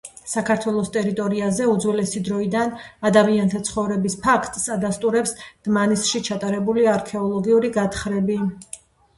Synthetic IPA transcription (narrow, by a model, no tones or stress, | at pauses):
sakʰaɾt̪ʰwɛlˠɔst̪ʼɛɾit̪ʼɔɾiazɛud̪zwɛlɛsid̪ɾɔid̪anad̪amiant̪ʰat̪sʰχɔvɾɛbispʰakʰt̪ʼsad̪ast̪ʼuɾɛpsd̪̥manisʃit͡ʃʰat̪ʼaɾɛbuliaːɾkʰɛɔlˠɔɡiuɾiɡat̪χɾɛbi